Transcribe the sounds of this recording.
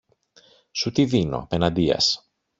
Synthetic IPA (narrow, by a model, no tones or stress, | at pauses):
sut̪iðino̞̰pe̞nɐd̪iɐ̰s